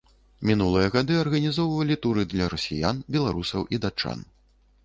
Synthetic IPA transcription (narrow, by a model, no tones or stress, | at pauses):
mʲinulˠɨjɐɣad̪ɨɐrɣɐnʲizɔwvɐlʲit̪uɾɨd̪lʲɐɾɐsʲijanbʲɛlˠaɾusɐwʔid̪at͡ʂːa̰n